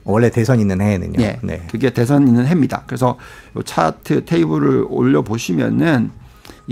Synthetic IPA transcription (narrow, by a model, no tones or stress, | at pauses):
wʌɭːe̞te̞sʰʌɲinːɯnhenɯ̰ɲo̰e̞ne̞̰kɯɡe̞te̞sʰʌninːɯnɦe̞mɲida̰kɯɾe̞sʰʌjʌt͡ɕʰatʰɯtʰeibɯɾɯɾo̰ʎːʌboɕʰimjʌ̰nɯn